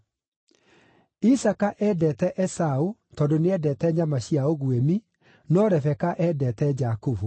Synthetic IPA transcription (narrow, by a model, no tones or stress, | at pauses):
isakaʔɛːdɛtɛʔɛsaotɔːndoneɛdɛːtɛɲamaɕiaoɣwemi | nɔɾɛvɛkaʔɛdɛtɛd͡ʒakovu